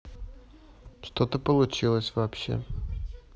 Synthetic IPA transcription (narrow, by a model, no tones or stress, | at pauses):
ʂt̪ot̪əpəlˠʊt͡ɕilˠəsʲvapɕḛ